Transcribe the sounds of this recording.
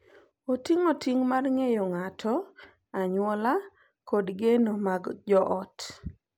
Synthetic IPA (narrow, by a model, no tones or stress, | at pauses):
otiŋotiŋmarŋejɔŋatʰɔ | aɲwɔla | kɔdɡenomaɡd͡ʒɔʔɔt